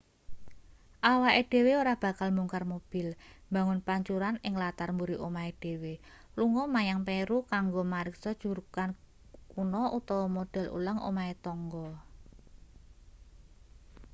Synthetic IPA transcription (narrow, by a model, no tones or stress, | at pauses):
ʔawaʔeɖ̥e̤weoɾahb̥a̤kalmuŋkarmob̥ɪ̤lmba̤ŋʊnpaɲt͡ʃuɾanɪŋlat̪armbuɾiʔomaeɖ̥e̤we | luŋɔmajaŋpeɾukaŋɡomaɾɪksɔd̥ʒ̥ṳɾukan | kunɔʔut̪ɔwɔmoɖ̥ɛ̤lṵləŋo̰maet̪ɔŋɡɔ